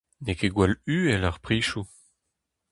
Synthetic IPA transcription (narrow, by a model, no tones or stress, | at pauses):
nekeɡwɛlyːɛlœʁpʁiːʃu